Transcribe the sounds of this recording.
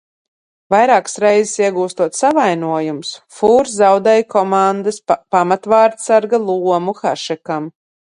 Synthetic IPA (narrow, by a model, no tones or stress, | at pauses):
vajɾaːkḁsɾɛjzɪsiɛɡuːst̪uɔt̪savajnuɔjumsfuːɾzzawd̪ɛːjkɔmand̪ɨspamat̪vaːɾt̪saɾɡalˠuɔmuxaʃɛkam